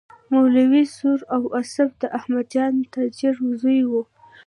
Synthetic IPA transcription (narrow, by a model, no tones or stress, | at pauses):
mawlawisuɾawasafd̪əʔahmad̪d͡ʒɑnt̪ad͡ʒiɾzujwu